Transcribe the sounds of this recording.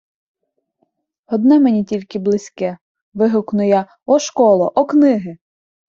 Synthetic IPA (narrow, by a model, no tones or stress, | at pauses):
ɔd̪nɛmenʲitʲilʲkɪblˠɪsʲkɛ | ʋɪɦʊknʊjɐ | ɔʃkɔlˠɔʔɔknɪɦɪ